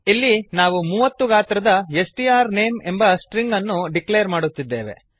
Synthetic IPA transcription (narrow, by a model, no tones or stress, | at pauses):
ilːinaːʋumuːʋɐt̪ːuɡaːt̪ɾɐd̪ɐesʈiaːɾne̞ːme̞mbɐsʈɾiŋɡɐnːuɖikleːɾmaːɽut̪ːid̪ːeːʋe̞̰